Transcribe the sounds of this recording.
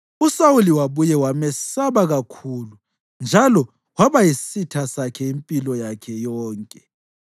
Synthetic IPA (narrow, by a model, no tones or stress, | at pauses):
usawuliwaβujɛwamɛsaβaɣakʰulu | nd͡ʒʱalɔ | waβajisitʰasakʰɛimpʼilɔjakʰɛjɔːŋkʼɛ